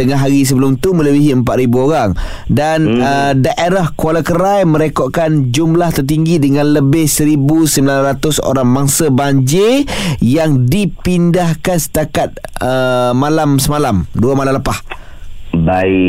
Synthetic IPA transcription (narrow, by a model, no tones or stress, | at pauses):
t̪əŋaɦaɾis̬əbəlʊmt̪umə̃ləbiɦiəmpat̪̚ɾibuoɾaŋ | danədaʔeɾahkualakəɾajmə̃ɾekɔʔkand͡ʒumlaht̪ərt̪̬iŋɡidəŋãnləbɪhsəɾibusəmbilanrat̪ʊso̰ɾaŋmaŋsəbaɲd͡ʒejaŋdipindahkansə̥t̪akat̪̚əmalamsəmalamduamalamləpah | bai